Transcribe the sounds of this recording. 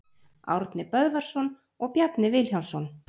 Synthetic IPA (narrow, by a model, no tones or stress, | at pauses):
a̰wɾt̪nɪpœðvaɾ̥sɔn | ɔɣpjat̪nɪvɪlçjawnsɔn